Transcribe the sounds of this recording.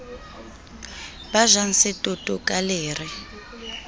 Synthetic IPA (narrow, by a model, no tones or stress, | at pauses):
baʒan̩sɪtʼʊtʼʊkʼaleːri